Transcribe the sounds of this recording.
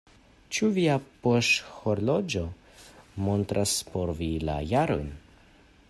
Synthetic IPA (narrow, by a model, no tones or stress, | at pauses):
t͡ʃuviapoʃhoɾlo̞d͡ʒo̞ | montɾʔaspo̞ɾvila̰jaɾo̰jn